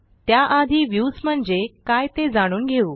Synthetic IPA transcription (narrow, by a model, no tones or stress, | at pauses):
t̪jaʔad̪ʱiːʋjusm̤əɳd͡zekajt̪ed͡zaɽ̃uːnɡʱeuː